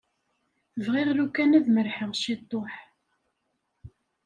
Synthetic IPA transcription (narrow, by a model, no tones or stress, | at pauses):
vʁiʁlukːænæðməɾħəʁʃit̪ˤːoħ